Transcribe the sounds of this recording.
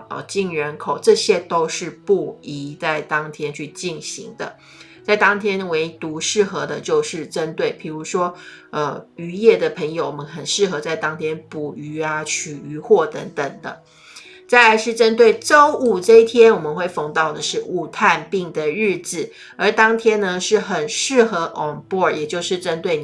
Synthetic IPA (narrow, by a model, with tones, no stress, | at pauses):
t͡ɕi˥˩ŋɻə˧˥nkʰo˨˩ʊʈ͡ʂɤ˥˧ɕjɛ˥t̪o˥ʊʂɻ̩˥˧pu˥˩i˧˥t͡sa˥˩ɪt̪ɑ˥ŋt̪ʰjɛ˥nt͡ɕʰy˥˧t͡ɕi˥˨˩nɕḭ˧˥ŋd̪ə̰˧ | t͡sa˥˩ɪt̪ɑ˥ŋt̪ʰjɛ˥nwe˧˥ɪt̪u˧˥ʂɻ̩˥˩xɤ˧˥d̪ə˧t͡ɕjo˥˧ʊʂɻ̩˥˩ʈ͡ʂə˦˥nt̪we˥˩ɪpʰi˨˩ɻu˧˥ʂwɔ˥ə˧y˧˥jɛ˥˩d̪ə˩pʰə˧˥ŋjo˧ʊwɔ˨˩ə˦nxə˨˩nʂɻ̩˥˩xɤ˧˥˦t͡sa˥˩ɪt̪ɑ˥ŋt̪ʰjɛ˥npu˨˩y˧˥a˧t͡ɕʰy˨˩y˧˥xwɔ˥˩t̪ə˧˥ŋt̪ə˨˩ŋd̪ə̰˦ | t͡sa˥˩ɪla˧˥ɪʂɻ̩˥˩ʈ͡ʂə˥nt̪̬we˥˩ɪʈ͡ʂo˥ʊʔu˥˩ʈ͡ʂɤ˥˧i˥˩t̪ʰjɛ˥nwɔ˨˩mə˦nxwe˥˩ɪfɑ˧˥ŋt̪ɑ˥˩ʊd̪ə˩ʂɻ̩˥˧u˥˩t̪ʰa˥˧npi˥˩ŋd̪ə˩ɻɻ̩˥˩d͡z̩˨˩ | ə˞˧˥t̪ɑ˥ŋt̪ʰjɛ˥nnə˧ʂɻ̩˥˩xə˨˩nʂɻ̩˥˩xɤ˧˥ʔɔ˨˩ŋbɔ˥˩jɛ˨˩t͡ɕjo˥˧ʊʂɻ̩˥˩ʈ͡ʂə˥nt̪we˥˩ɪ